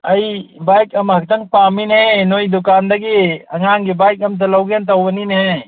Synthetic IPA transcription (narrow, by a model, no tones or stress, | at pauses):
ɐjbajkɐmɦɐk̚t̪ɐŋpaminɐɦɛ̃nojd̪ʊkaːnd̪ɐɡiɐŋaːŋɡibajkɐmt̪̬ɐlɐwɡjant̪̬ɐwbɐninɐɦɛ̃